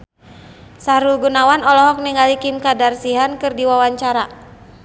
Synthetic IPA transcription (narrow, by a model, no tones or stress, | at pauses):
saɾulɡunawanɔlɔɦɔk̚niŋɡalikimkadarsiɦankɨrdiwawaɲt͡ʃaɾa